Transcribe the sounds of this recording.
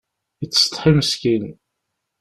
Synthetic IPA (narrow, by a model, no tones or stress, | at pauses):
it͡sːst̪ˤħiməskin